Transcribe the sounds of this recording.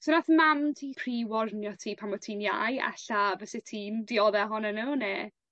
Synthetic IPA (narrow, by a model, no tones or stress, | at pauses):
sonaθmamtʰiːpʰriwɔrnjɔtʰiːpʰamɔtʰiːnja̰jɛ̰ɬavɛsɪtʰiːndiɔðɛɦɔnɛnuːneː